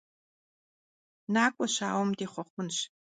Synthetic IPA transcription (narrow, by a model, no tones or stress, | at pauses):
naːkʷʼɔɕa̰ːwɔmdeːχʷɔχʷʊnɕ